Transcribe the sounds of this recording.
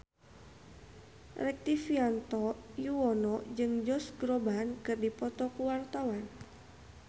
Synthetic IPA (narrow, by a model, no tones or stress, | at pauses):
rɛk̚t̪ifiant̪ɔjuwɔnɔd͡ʒɨŋd͡ʒɔsɡɾɔbankɨrdipɔt̪ɔkuwart̪awan